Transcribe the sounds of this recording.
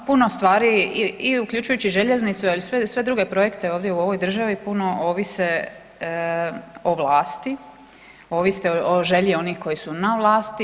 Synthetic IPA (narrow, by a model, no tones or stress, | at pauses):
puno̞st̪ʋaːɾiiiuklʎut͡ʃujut͡ɕiʒe̞ʎeznit̪sualisʋesʋe̞d̪ɾuɡe̞pɾo̞je̞kt̪e̞o̞ːʋd̪jeuo̞ʋo̞jd̪r̩ʒaʋipuno̞ʔo̞ːʋise | oʋlaːst̪i | o̞ːʋist̪eooʒe̞ʎio̞niːxko̞jisunaʋlˠaːst̪i